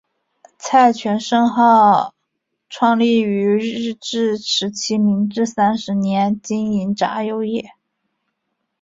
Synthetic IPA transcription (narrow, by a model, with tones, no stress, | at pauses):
t͡sʰa˥˩ɪt͡ɕʰɥɛ˧˥nʂɤ˥˧ŋxɑ˥˩ʊ | ʈ͡ʂʰwɑ˥˧ŋli˥˩y˧˥ɻɻ̩˥˧ʈ͡ʂɻ̩˥˩ʈ͡ʂʰɻ̩˧˥t͡ɕʰi˥mi˧˥ŋʈ͡ʂɻ̩˥˩sa˥nʂɻ̩˧˥njɛ˧˥nt͡ɕi˥ni˧˥nʈ͡ʂa̰˧˥jo˧˥ʊjɛ˥˩